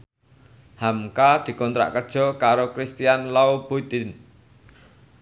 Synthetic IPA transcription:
hamkad̪̥i̤kɔnt̪ɾa̰ʔkərd̥ʒ̥ɔ̤kaɾokɾist̪ijanlaub̥ut̪ɪn

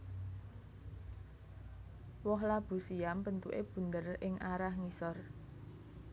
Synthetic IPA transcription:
wɔɦlab̥ṳsiampənt̪uʔeb̥ṳnd̪ərɪŋʔaɾahŋisɔr

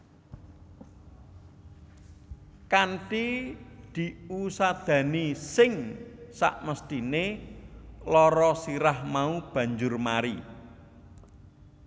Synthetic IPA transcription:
kanʈid̪̥i̤usad̪̥ä̤nisɪŋsa̰ʔməst̪ine | lɔɾɔsiɾahmaub̥ä̤ɲd͡ʒʊrmaɾi

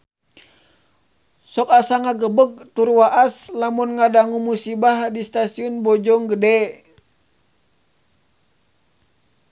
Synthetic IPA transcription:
sɔkasaŋaɡəbəɡ̚t̪urwaʔaslamunŋadaŋumusibahdist̪asiɔnbɔd͡ʒɔŋɡədɛ

